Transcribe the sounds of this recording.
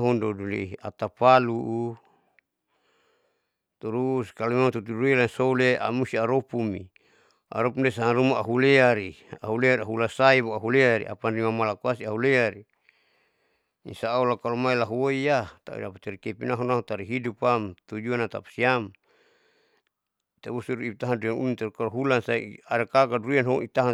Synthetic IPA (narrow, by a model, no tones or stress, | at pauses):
ɦundodulḭa̰t̪apaluʔ | t̪uɾuskalumat̪ut̪uduilansolea̰must̪iaɾopumḭ | a̰ɾopumdesaaɾumaʔaɦuleaɾia̰ɦuleaɾaɦulasaiboaɦuleaɾḭʔa̰pandimamalakuasiaɦuleaɾi | insaːulakalomailaɦuoijat̪a̰ṵdapat̪eɾikepinaɦunaut̪aɾiɦidupamt̪ud͡ʒuanat̪a̰pḁsiam | t̪abusuɾuit̪aɦanduianṵnunt̪aukaloɦulansaḭaɾakakaduuianɦɔit̪aɦa